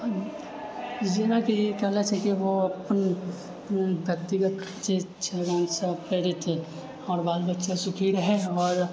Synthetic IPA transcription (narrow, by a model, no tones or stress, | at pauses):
d͡ʒɪnakijekɛɦlet͡ʃʰɛkiʋoɐpən | bjɐk̚t̪ɪɡət̪d͡ʒe | t͡ʃʰeɡaːnsapɾeːɽit̪ɛ | ɔːɾbaːlbətːʃasʊkʰiːɽɦɛɔːɾ